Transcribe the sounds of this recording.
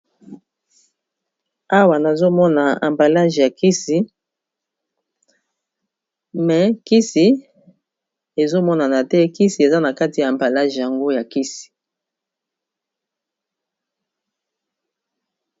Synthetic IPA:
a˦wa˨na˨zo˦mɔ˦na˨a̰˨mba˨la˦ʒja˨ki˦si˨ | mɛ˨ki˦si˨ | e˨zo˦mɔ˦na˨na˨tɛ˦ki˦si˨e˨za˦na˨ka˦ti˨jaː˨mba˨la˦ʒja˨ŋɡo˦ja˨ki˦si̥˨

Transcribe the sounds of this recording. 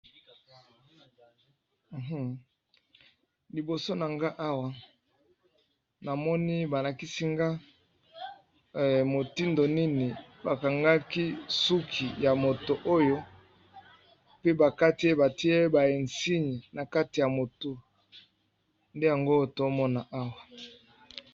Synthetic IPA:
ɦ̩˦˨ | li˨bo˨so˦na˨ŋɡa˦ʔa˦wa˨ | na˨mɔ˦ni˦ba˨la˨ki˦si˦ŋɡa˦˨ | mo˨ti˦ndo˨ni˦ni˨ba˨ka˨ŋɡa˦ki˦su˦kʰi˨ja˨mo˨to˨ʔo˦jo˦ | pe˦ba˨ka˦ti˨˦e˦ba˨ti˦e˦ba˨je˨nsi˦ɲi˨na˨ka˦ti˨ja˨mo˨to˦ | nde˦ja˨ŋɡo˦to˦mɔ˦na˦ʔa˦wa˨

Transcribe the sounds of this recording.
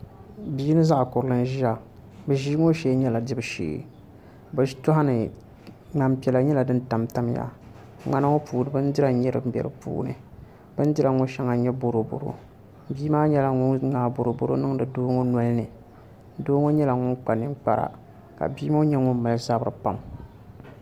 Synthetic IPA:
biː˦nɨ˦za˦ʔa˨kʊ˨ɾɨ˦lɨ˦n˦ʒi˦a˨ | bɨ˨ʒi˦ŋo˦ʃɛ˦ɲɛ˦la˨dɪ˦bɨ˦ʃḛː˨˦˨ | bɨ˨˦tʊ˦ɦa˦nɨ˨ | na˨mpɛ˨la˨ɲɛ˦la˨dɨ˦n˦ta˨mta˦m˦ja̰˦ | ŋ͡ma˦na˦ŋo˦puː˨nɨ˨bɨ˦n˦dɪ˦ɾa˨˦ɲɛ˦ɾɨ̰˦bʲjɛ̰˨ɾɨ̰˨pṵː˦nɨ̰˨ | b̥ɨ˦n˦dɪ˦ɾa˨ŋo˦ʃɛ˦ŋa˨ɲɛ˦bo˨ɾo˨bo̰˨ɾo̰˦ | biː˦maː˦ɲɛ˦la˨ŋʊ˦ŋaː˨˦bo˨ɾo˨bo˦ɾo̰˦nɨ˦ŋ˦dɨ˨doː˦ŋo˦nɔ˦lnɨ˨ | doː˦ŋo˦ɲɛ˦la˨ŋʊ˦ŋk͡pa˨nɨ˦k͡pa̰˨ɾa̰˨ | ka̰˨biː˦ma˦ɲɛ˦ŋʊ˦m˦ma˨lza˦bɨ˦ɾɨ̰˨pa˦˨m

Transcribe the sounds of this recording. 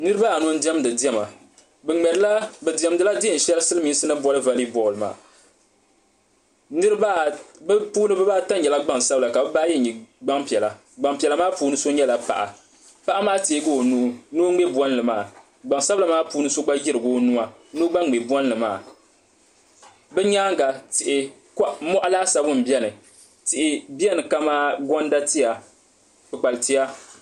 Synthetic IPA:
nɨ˦ɾɨ˦ba˦a˨no˦n̩˦di˦ɛ˦m˦dɨ˨di˦ɛ˦˨ma˨ | bɛ˨ŋ͡mɛ˨dɨ˦la˦bɛ˨di˨ɛ˨mdɨ˨la˦dɪ˦ɪ˨n̩˨ʃɛ˦lsɨ˦lɨ˦miː˨˦n˦sɨ˦nɨ˦bɔ˦lɨ˦va˦li˦bɔ˨lɨ˨ma̰ː˨ | nɨ˦ɾba˦bpuː˦nɨ˦bɨ˦ba˦ta˦ɲ˦ɲɛ˨la˦ɡ͡ba˦˨ŋsa˦bla˨ka˨bɛ˦ba˦jɛ˦ɲi˨ɡ͡ba˦ŋpi˨ɛ˨la˨ | ɡ͡ba˨ŋpi˨ɛ˨la˨maː˦puː˨˦nɨ˦so˦ɲɛ˦la˨pa̰˨ʔa̰˨ | pa˦ʔa˦maː˦teː˨˦ɡo˦˨nu˨˦no˦ŋ͡me˦bwɔ˦n˦lɨ˨maː˦˨ | ɡ͡ba˨ŋsa˦bla˨˦maː˦puː˦nɨ˦so˦ɡ͡ba˦jɪ˦ɾɨ˨ɡo˦nu˦a˨no˦ɡ͡ba˦ŋ˨ɡ͡be˨bɔ˦n˦lɨ˨maː˦˨ | bɛ˦ɲaː˦ŋ˦ɡa˨tɪ˨ʔɪ˨ | ka˦mɔ˦ʔa˦laː˦sa˨bʊ˦m̩˨bi˦ɛ˦nɨ˨ | tɪ˨ʔɪ˨bi˦ɛ˦nɨ˨ka˦maː˦ɡɔ˦n˦da˦ti˦ja˨ | pɨ˨k͡pa˨lti˦ja˦

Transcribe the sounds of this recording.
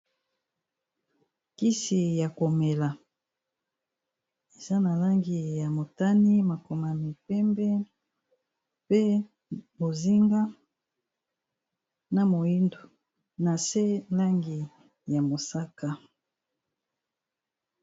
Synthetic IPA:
ki˦si˨ja˨ko˨me˨la˨ | e˨za˦na˨la˦ŋɡi˨ja˨mo˨ta˦ni˦ma˨ko˨ma˨mi˨pɛ˦mbɛ˦ | pe˦ | bo˨zi˦ŋɡa˦ | na˨mo˨i˦ndo˨ | na˨se˦la˦ŋɡi˨ | ja˨mo˨sa˦ka˦

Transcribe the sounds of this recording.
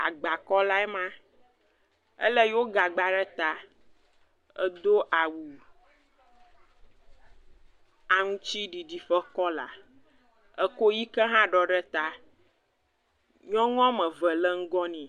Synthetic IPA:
a̰˨ɡ͡ba˨kɔ˦la˦ɛ˦mã˦ | ə̰˦lə˦jwo˦ɡa˨ɡ͡ba˨ɖɛ˦t̪a˦ | ə˦d̪o˦ʔa˨wu˨ | a˨ŋũ˦t͡ʃi˦ɖi˨ɖi˨fə˦kɔ˦la̰˨ | ə˦ko˦ji˦kə˦ɦã˦ɖɔ˨ɖə˦t̪a˦ | ɲɔ̃˦ŋɔ̃˦mə̃˨və˨lə˦ŋ̩˦ɡɔ˦nĩ˨

